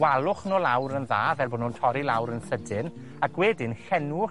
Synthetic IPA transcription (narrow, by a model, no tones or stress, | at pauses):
walˠʊχnoːlˠawɾənðaːvɛlˠboːnʊntʰɔɾilˠawɾənθədɪn | aɡweːdɪnɬɛnʊ